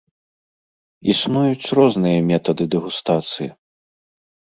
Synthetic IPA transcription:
isnujut͡sʲrɔznɨjɐmʲɛt̪ɐd̪ɨd̪ɛɣust̪at̪sɨji

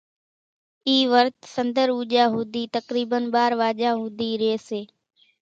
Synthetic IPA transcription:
iːʋəɾt̪sənd̪əɾuːd͡ʒaːɦuːd̪iːt̪əkɾiːbənɓaːɾʋaːʄaːɦuːd̪iːɾeːseː

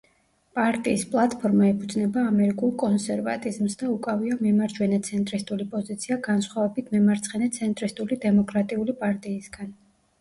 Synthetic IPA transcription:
pʼaɾt̪ʼiːspʼlˠat̪ʼpʰɔɾmaɛpʰud̪znɛbaːmɛɾikʼulˠkʼɔnsɛɾvat̪ʼizmsd̪aukʼaviamimaɾd͡ʒwɛnɛt̪sʰɛnt̪ʼɾist̪ʼulipʼɔzit̪sʰiaɡansχwavɛbit̪ʰmɛmaɾt̪sʰχɛnɛt̪sʰɛnt̪ʼɾist̪ʼulid̪ɛmɔkʼɾat̪ʼiulipʼaɾt̪ʼiːsɡan

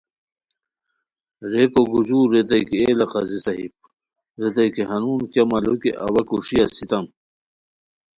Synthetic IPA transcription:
ɾekoɡud͡ʑuːɾet̪ɐjkielɐqɐzisɐɦḭp̚ | ɾet̪ɐjkeɦɐnuːnkjɐmɐlokeʔɐ̰wɐkuʂijɐsit̪ɐm

